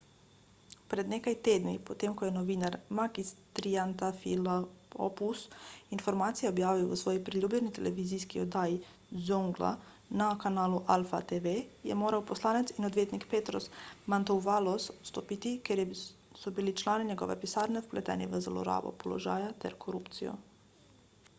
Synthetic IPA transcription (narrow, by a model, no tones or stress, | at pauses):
pɾɛd̪neːkajt̪eːd̪nipɔt̪eːmkɔjɛnɔʋiːnaɾmaɡist̪ɾiant̪afḭlaɔ̰pusinfɔɾmaːt̪sijaɔbjaːʋiwʋəsʋɔːjipɾiljuːblʲjɛnit̪ɛlɛʋiziːskiɔd̪aːji | zuŋɡla̰ | nakanaːluʔalfat̪eʋejɛ̰moːɾawpɔslaːnɛt̪sinɔd̪ʋjeːt̪nikpeːt̪ɾɔsmant̪ɔwʋaːlɔsst̪ɔpiːt̪ikeɾjɛ | sɔbilit͡ʃlaːniɲɛɡɔ̰ːʋɛpisaːɾnɛwplɛt̪ɛ̰ːniʋəza̰lɔ̰ɾa̰ːʋɔ̰pɔlɔ̰ʒa̰ːjat̪ɛ̰ɾkʰɔɾuːpt̪sijɔ̰